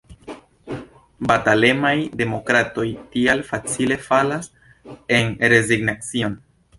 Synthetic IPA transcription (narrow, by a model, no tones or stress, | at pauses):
batale̞majde̞mo̞kɾato̞jtialfat͡sile̞falas | e̞nɾe̞ziɡnat͡sio̞n